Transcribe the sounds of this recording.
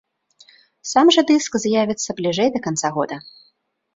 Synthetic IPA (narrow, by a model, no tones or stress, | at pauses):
samʐɐd̪ɨskzʲjavʲit̪sːɐblʲiʐɛjd̪ɐkant̪saɣɔd̪ɐ